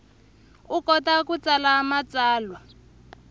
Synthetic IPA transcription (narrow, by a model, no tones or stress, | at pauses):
ukɔtakut͡salaːmat͡saːlwa